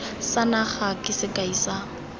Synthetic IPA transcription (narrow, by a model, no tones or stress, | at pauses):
sanaχakʼɪsɪkʼaisa